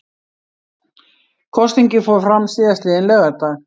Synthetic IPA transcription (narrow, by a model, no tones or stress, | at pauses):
kʰɔst̪iɲcɪfoːwɾfɾamsɪːðast̪lɪɛnlœːɣat̪aɣ